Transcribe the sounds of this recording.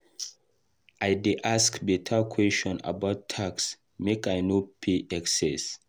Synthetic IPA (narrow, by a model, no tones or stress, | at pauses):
ʔajdeʔaskbitʰakʰwɛstɔ̃na̰baʊtʰːaks | mekajnopʰeʔɛksɛs